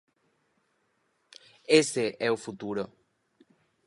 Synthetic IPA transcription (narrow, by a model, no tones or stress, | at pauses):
esɪʔɛʊfut̪uɾo